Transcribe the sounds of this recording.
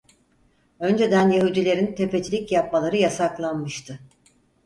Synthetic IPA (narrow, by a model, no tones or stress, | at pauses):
ø̞nd͡ʒe̞d̪ænjaɦud̪ilʲe̞ɾint̪ʰe̞pe̞t͡ʃʰilʲicjap̚malˠaɾɯjasaklˠanmɯʃt̪ʰɯ